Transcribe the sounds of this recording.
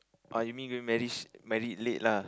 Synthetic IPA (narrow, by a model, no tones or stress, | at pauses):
ʔajumĩnɡoĩmɛɹimɛɹitleʔ̚la